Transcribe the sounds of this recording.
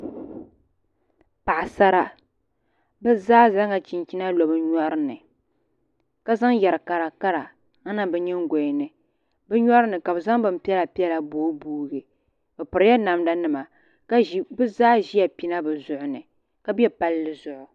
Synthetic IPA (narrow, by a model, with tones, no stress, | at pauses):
pa˨ʔa˨sa˦ɾa˦ | bɛ˦zaː˦za˦ŋa˨t͡ʃi˨nt͡ʃi˦na˦lo˨bɨ˦ɲɔ˦ɾɨ˦nɨ˨ | ka˦za˦ŋjɛ˨ɾɨ˨ka˨ɾa˨ka˦ɾa˨ | a˦na˦bɛ˨ɲɛ˦ŋ˦ɡo˨nɨ˨ | bɛ˦ɲɔ˦ɾɨ˦nɨ˨ka˨bɨ˨za˦ŋbɨ˦m̩˦pi˦ɛ˦la˨pi˦ɛ˦la˨boː˦buː˦ɡɨ˨ | bɛ˨pɨ˨ɾɨ˨˦ja˦na˨mda˦nɨ˨ma˨ | ka˦bɨ˦zaː˦ʒi˦ja˨pi˦na˦bɨ˨zʊ˨ʔʊ˨nɨ˨ | ka˦bjɛ˦pa˦lːɨ˦zʊ˨ʔʊ˨